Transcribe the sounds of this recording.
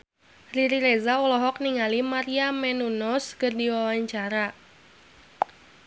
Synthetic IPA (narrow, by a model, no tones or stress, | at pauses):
riɾiɾezaulɔɦɔk̚niŋalimaɾiamɛnunɔskɨrdiwawaɲt͡ʃaɾa